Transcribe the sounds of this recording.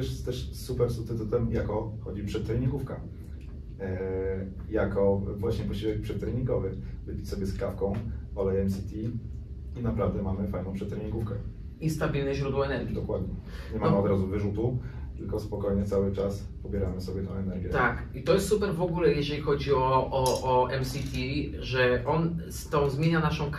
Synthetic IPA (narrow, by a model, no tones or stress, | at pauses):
ɛʂɛt̪t̪ɛʂsupɛɾsut̪ɨt̪ut̪ɛmjakɔxɔd͡ʑipʂɛt̪̚t̪ːɾɛɲiɡufka | jakɔvwaɕɲɛpɔɕivɛk̚pʂɛt̪t̪ːɾɛɲiŋɡɔvɘvɘpʲi̥sɔbʲjɛskafkɔ̃w̃ɔlɛjɛmsit̪ʲi | inapɾavd̪ɛmamɘfajnɔ̃pʂɛt̪t̪ːɾɛɲiɡufkɛ | ist̪abʲilnɛʑɾud̪wɔɛnɛɾɡʲid̪ɔkwad̪ɲɛ | ɲɛmamɔd̪ɾazuvɘʐut̪u | t̪ɘlkɔspɔkɔjɲɛt̪sawɘt͡ʂas | pɔbʲjɛɾamɘsɔbʲjɛt̪ɛw̃ɛnɛɾɡʲjɛt̪akit̪ɔjɛst̪supɛɾvɔɡulɛjɛʐɛlʲixɔd͡ʑiɔʔːʔːɛmsʲit̪ʲi | ʐɛʔɔnst̪ɔ̃w̃zmʲjeɲanaʂɔ̃w̃k